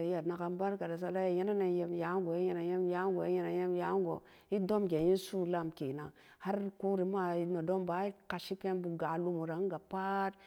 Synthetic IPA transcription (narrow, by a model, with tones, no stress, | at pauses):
ja˨dna˨ka˨mba˦ɾka˨da˨s̬a˨la˦ja˨je˦na˦na˨je˨mja˨˦ɡo˨i˦je˦na˨je˦m˦ja˦ɡo˨i˦je˦na˨je˦m˦ja˨˦ŋ˦ɡo̰˨ | i˦do˦mɡe˨ji˦nsu˦la˦mke˨na˨ | ha˦ɾko˦ɾi˨ma˦i˨˦no˨do˦mba˨˦i˦ka˨ʃi˦pe˦nbu˨ɡa˨lu˨mu˨ɾa˨˦ŋ˦ɡa˨pa˦t